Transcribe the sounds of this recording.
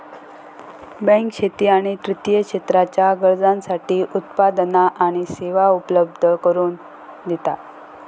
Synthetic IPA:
bɛ̃ŋkɕet̪iːaɽ̃it̪ɾit̪jəkʂet̪ɾat͡ɕjaɡəɾd͡zãnsaʈiːʔut̪pad̪naʔaɽ̃iseʋaupələb̚d̪ʱəkəɾuːn | d̪it̪a

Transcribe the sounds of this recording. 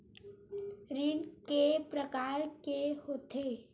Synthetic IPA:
ɾɪɽkepɾəkaːɾkehoːt̪e

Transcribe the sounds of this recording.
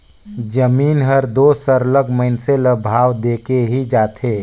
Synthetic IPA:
d͡ʒəmiːnɦəɾd̪oːsəɾləɡʱməɪnseləbʱaːwd̪eːkeɦid͡ʒaːt̪ʰeː

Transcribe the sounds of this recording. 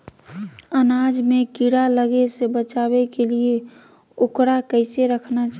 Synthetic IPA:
ənaːd͡ʒmẽkiɽaləɡesebət͡ʃabekelie | okɽakəɪseɾəkʰnat͡ʃa

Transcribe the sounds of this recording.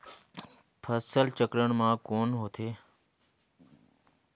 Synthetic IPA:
pʰəsəlt͡ʃəkɾəɽ̃mãːkoːnɦoːt̪ʰeː

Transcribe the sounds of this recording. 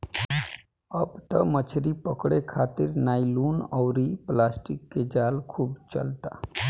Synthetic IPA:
əbt̪əmət͡ʃʰɾipəkɽekʰaːt̪iɾnaːiluːnɔʊɾiplaːsʈikːed͡ʒaːlkʰuːbt͡ʃə̰lt̪a̰

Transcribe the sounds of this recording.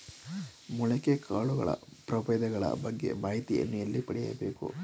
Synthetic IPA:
muɭɐkekʰaːɭuɡɐɭɐ̰pɾɐpɐjd̪ɐɡɐɭɐ̰bɐɡːe̞̰maːɦit̪iʔɐ̰nːujɐlːipɐɽɛjjɐbe̞ːkṵ

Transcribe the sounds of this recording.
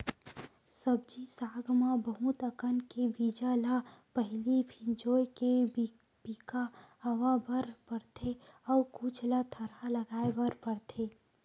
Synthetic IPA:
səbd͡ʒisaːɡmãbəɦut̪əkənkebid͡ʒalapəɦlipʰɪ̃nd͡ʒoːjke | b̥iːkaəwabəɾpəɾt̪ʰeɔkut͡ʃʰlat̪ʰəɾaləɡaːebəɾpəɾt̪ʰeː

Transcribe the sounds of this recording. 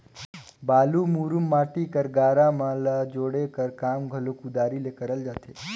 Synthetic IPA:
balumuɾumːaʈikəɾɡaɾamãləd͡ʒoɽekəɾkamɡʱəlokud̪aɾilekəɾəld͡ʒət̪ʰe

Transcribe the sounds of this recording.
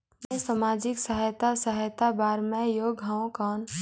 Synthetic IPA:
mẽsamaːd͡ʒɪksəɦəjt̪asəɦəjt̪abaːɾmɛ̃joɡʱaõkɔːn

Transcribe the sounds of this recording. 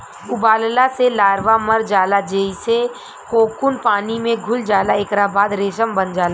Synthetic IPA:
ʊbaːllaselaːɾʋaməɾd͡ʒaːlad͡ʒeːise | koːkʊnpaːnimẽɡʱʊld͡ʒaːlaekɾabaːd̪ɾeːʃəmbənd͡ʒaːla

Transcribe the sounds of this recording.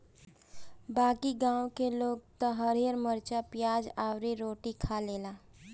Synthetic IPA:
baːkiɡãːwkeloːɡ̚t̪oɦəɾijəɾməɾt͡ʃapɪjaːd͡ʒaːwɾiɾoːʈikʰaleːlaː

